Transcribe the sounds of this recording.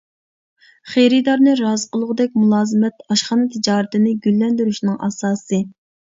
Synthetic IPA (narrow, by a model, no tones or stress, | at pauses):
χejɾɨd̪ɑɾnɨɾɑːzəqəlˠʊʁəd̪ɛk̚ʲmulˠɑːzɨmɛt̪ɑʃχɑnɨt̪ʰɪd͡ʒɑːɾɪt̪ɪnɪɡʲylːɛnd̪yɾyʃnɨŋɑ̰sɑːsɨ